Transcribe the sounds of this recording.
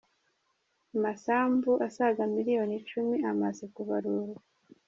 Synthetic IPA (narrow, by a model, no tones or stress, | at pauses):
amasaːmbuʔasaɡamiɾijo̞nit͡ʃumiamazekuβaɾuɾa